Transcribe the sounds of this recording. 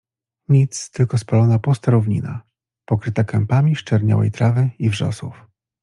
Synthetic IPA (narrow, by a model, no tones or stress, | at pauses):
ɲit̪st̪ɘlkɔspalɔnapust̪aɾuvɲḭna̰ | pɔkɾɘt̪akɛmpamʲiʂt͡ʂɛɾɲa̰wɛ̰jt̪ɾavɘivʐɔ̰sṵf